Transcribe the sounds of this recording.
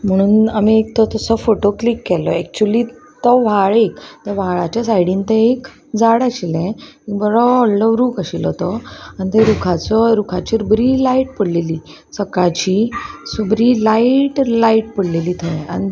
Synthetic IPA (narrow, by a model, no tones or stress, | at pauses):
m̤əɽ̃uːnamiek̚t̪ɔt̪əsəfoʈoklikːɛlɔɛk̚t͡ɕuliːt̪ɔʋaɭekt̪eʋ̤aɭat͡ɕasajɽĩːnt̪ẽek | d͡zaɽaɕilɛ̃ekbəɾɔːlləɾuːkaɕilɔt̪ɔanit̪eɾukʰat͡sɔɾukʰat͡ɕiɾubɾilaiʈ̚pəɽleliː | səkat͡ɕisubɾilaiʈlaiʈpəɽleliːt̪ʰəa̰ñi